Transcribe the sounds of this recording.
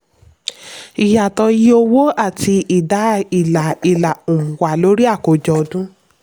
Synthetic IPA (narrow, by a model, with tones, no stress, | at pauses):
i˨ja˨tɔ˧ji˦o˧wo˦a˦˨ti˧i˦˨da˨˦i˦˨la˨i˨la˨u˨mũ˨wa˨lo˨˦ɾi˦a˦˨ko˨d͡ʒɔ˧dũ˦